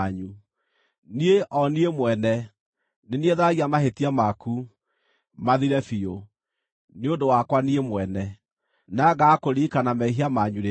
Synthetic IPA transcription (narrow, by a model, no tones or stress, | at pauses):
ɲu | nieʔɔniemwɛnɛ | nenieðaɣiamaɦetiamaku | maðiɾɛfio | neondowakwaniemwɛnɛ | naɣakoɾikanamɛiɦiamaɲuɾe